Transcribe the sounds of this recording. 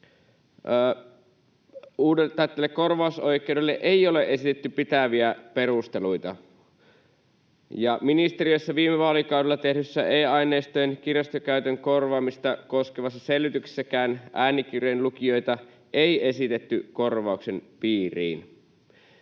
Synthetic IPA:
uːdelt̪ɑit̪ːelːekːo̞rʋɑuso̞jk̟ˑeowdelːeʔeio̞le̞ʔe̞sit̪et̪ːypit̪æʋiæpe̞rust̪e̞lujt̪ɑ̰ | jɑminist̪e̞ɾiøjsːɑʋiːmeʋɑːlikɑwdelːɑt̪ehdysːæeːɑjneːst̪ojenk̟irɑst̪økæyt̪øŋko̞rʋɑːmist̪ɑkoskeʋɑsːɑselʋyt̪yksi̥sːækæːnʔæːnik̟irejnlukio̞jt̪ɑ | eie̞sit̪et̪ːyko̞rʋɑˑukse̞npiːrḭːn

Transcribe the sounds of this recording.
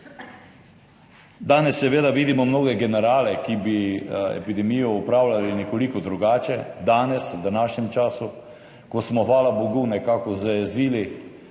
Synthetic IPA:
d̪aːnɛsːɛʋeːd̪aʋiːd̪imɔmnoːɡɛɡɛnɛɾaːlɛkibiɛ̰pid̪ɛmijɔupɾaːwlʲalinɛkɔlikɔd̪ɾuɡaːt͡ʃɛd̪aːnɛswd̪anaːʃɲɛmt͡ʃaːsu | kɔsmɔxʋaːlaboɡunɛkaːkɔzəɛziːli

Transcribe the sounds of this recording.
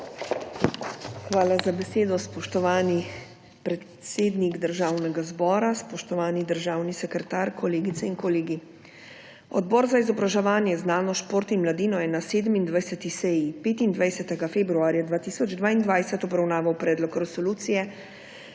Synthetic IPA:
xʋaːlazabɛseːd̪ɔspɔʃt̪ɔʋaːni | pɾɛt̪seːd̪niɡd̪əɾʒaːwnɛɡazbɔːɾaspɔʃt̪ɔʋaːnid̪əɾʒaːwnisɛkɾɛt̪aɾkɔleːɡit̪sɛinkɔleːɡi | ɔd̪bɔːɾzaizɔbɾaʒɛʋaːnjɛznaːnɔʃpoːɾt̪inmlad̪iːnɔjɛnaseːd̪əmind̪ʋajsɛt̪isɛjipeːt̪ind̪ʋajsɛt̪ɛɡafeːbɾuaːɾjad̪ʋaːt̪iːsɔd͡ʒd̪ʋaːind̪ʋajsɛt̪ɔbɾawnaːʋawpɾɛːd̪lɔkɾɛsɔluːt̪sijɛ

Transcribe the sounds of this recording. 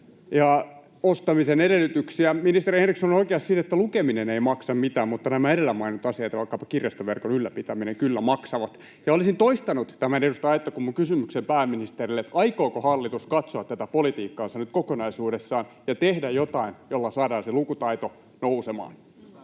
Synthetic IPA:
jɑ | ost̪ɑmisenedelːˑyt̪yksiæminist̪erihenriksonoikeɑssit̪et̪ːælukemineneimɑksɑmmit̪æːmmut̪ːɑnæmæeɾelːæmːɑinut̪ɑsiɑit̪ɑʋɑikːɑpɑkirjɑst̪ɑʋerkonylːæpit̪æmineŋkylːæmɑksɑʋɑt̪ | jɑolisint̪oist̪ɑnut̪t̪æmænedust̪ɑɑjt̪ːɑkumːuŋkysymyksempæːmːinist̪erilːet̪ɑikoːkohɑlːit̪uskɑt̪soɑt̪t̪ːæt̪æpolit̪iːkːɑːnsɑnyt̪̚kokonɑisuːdesːɑːn | jɑt̪ehdæjjot̪ɑinjolːɑsɑːdɑːnselukut̪ɑit̪o | nousemɑ̰ːn

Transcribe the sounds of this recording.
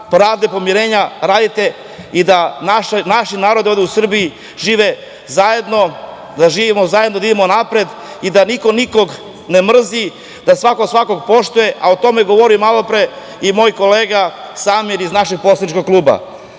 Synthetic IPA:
pɾaːʋd̪epo̞miɾe̞ːɲaɾaːd̪it̪e̞ | id̪anaʃnaʃinaːɾo̞d̪iod̪eusr̩bii | ʒiːʋe̞ | zaje̞d̪no̞ | d̪aʒiːʋimozajed̪nod̪aid̪emonapɾed̪ | id̪aniko̞niko̞ɡ | ne̞mr̩zi | d̪asʋakosʋako̞ɡpo̞ʃt̪ujeʔaot̪o̞me̞ɡoʋoɾimalo̞pɾe̞ | imo̞ːjko̞le̞ːɡasaːmjeɾiznaʃeɡ̚posanit͡ʃkoɡ̚kluːba̰

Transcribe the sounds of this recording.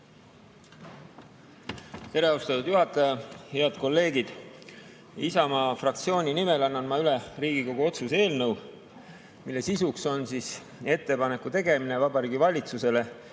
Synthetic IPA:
t̪e̞ɾe̞ɑust̪ɑt̪ud̪̥juɦɑt̪ːˑɑjɑheɑd̪̥̚ko̞lːe̞ːɡid̪̥ | isɑmɑfrɑk̚t̪sio̞ːnʲinime̞lɑnːɑnmɑyleriːɡ̥iko̞ɡ̥uo̞t̪suse̞ːlnɤw | milːe̞sisukso̞nsis | e̞t̪ːe̞pɑnekːut̪e̞ɡe̞minevɑbɑɾiːɡivɑlʲit̪suse̞le̞

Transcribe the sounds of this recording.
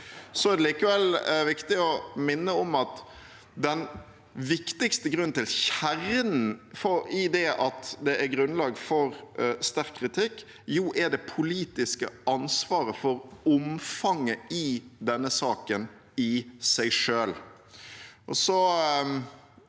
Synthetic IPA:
sɔæɾd̪ɛliːkəʋɛlʋɪkt̪ɪɔmɪnːəɔmɑt̪ | d̪ɛn | ʋɪkt̪ɪkst̪əɡɾʉnt̪ɪlçæɾənn̩fɔɪd̪ɛʔɑt̪d̪ɛʔæɾɡɾʉnlɑːɡfɔɾst̪æɾkʰːɾɪt̪ʰɪkː | juːʔæɖɛpʰʊliːt̪ɪskəɑnsʋɑːɾəfɔɾɔmfɑŋːəɪd̪ɛnːəsɑːkən | ɪsæɪʂøːl | ʔɔsɔ

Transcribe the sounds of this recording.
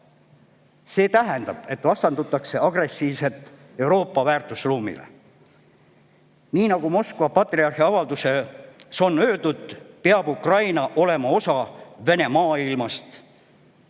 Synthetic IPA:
se̞ːt̪æɦend̪ɑb̥e̞t̪ːˑvɑst̪ɑnd̪ut̪ːˑɑkse̞ɑɡ̥resːiːvse̞t̪ːˑ | e̞uwɾo̞ːpːɑvæːrt̪ːˑusruːmḭlḛ | niːnɑɡ̥umo̞skvɑpɑt̪ˑriɑrhiɑvɑld̪use̞so̞nːø̞ːd̪ud̪̥̚peɑb̥ukrɑjnɑʔo̞le̞mɑo̞sɑve̞ne̞mɑːilmɑst̪

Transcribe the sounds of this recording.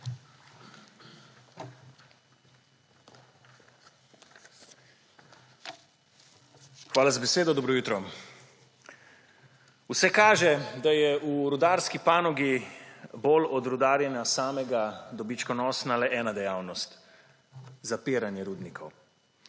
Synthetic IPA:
xʋaːlazabɛseːd̪ɔd̪ɔbɾɔjut̪ɾɔ | usɛkaːʒɛd̪ajɛuɾud̪aːɾskipaːnɔɡibolɔd̪ɾud̪aːɾjɛnasaːmɛɡad̪ɔbit͡ʃkɔnɔːsnalɛʔɛːnad̪ɛjaːwnɔst̪ | zapiːɾanjɛɾuːd̪nikʰɔw

